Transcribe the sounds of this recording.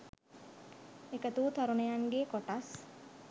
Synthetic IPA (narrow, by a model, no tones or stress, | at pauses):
ekət̪uːt̪aɾunejaŋɡekoʈas